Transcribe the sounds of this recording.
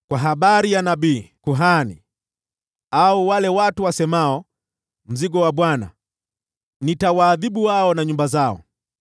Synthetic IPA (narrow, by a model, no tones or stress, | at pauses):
kwaɦaɓaɾijanabiːkuɦanḭ | auwalɛwatuwasɛmaɔ | m̩ziɡɔwaɓwana̰ | nitawaːðiɓuwaɔnaɲumbazaɔ̰